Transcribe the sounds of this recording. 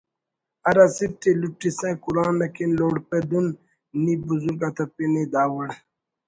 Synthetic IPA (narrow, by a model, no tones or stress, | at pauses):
ɐɾɐsiʈiluʈːisɐ̃kulaːnɐkinloːɽped̪unː | ibuzuɾɡɐt̪ɐpinid̪aːwɐɽ